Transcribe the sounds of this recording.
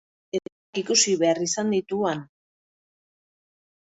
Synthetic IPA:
etakikusiβe̞arisand̪it̪uan

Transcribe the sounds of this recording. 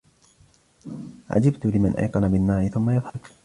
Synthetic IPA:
ʕa̰d͡ʒɪbt̪ʊlɪmanʔa̰jqɑnabɪnːaːʔɪθʊmːajɑðˤhɑɾ

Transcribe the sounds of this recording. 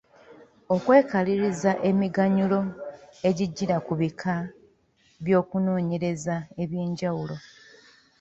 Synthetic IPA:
o̞kwe̞ːkaliɾizaʔe̞miɡaɲulo̞e̞ɟiɟːiɾakuβikʰa | βjo̞ːkuno̞ːɲe̞ɾe̞zae̞βje̞ːɲɟawulo̞

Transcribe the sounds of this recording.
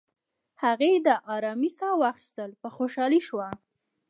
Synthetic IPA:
haɣed̪əʔɑɾɑmisɑwɑxi̥st̪əlpəxoʃɑliʃwa

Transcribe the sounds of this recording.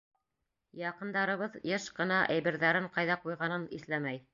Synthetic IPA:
jɑqɤ̆nd̪ɑɾɤ̆βɤðjɤʃqɤ̆nɑʔæ̰jβɘ̆ɾðæɾɘɴqɑjðɑqujʁɑnɤnḭθlæmæj

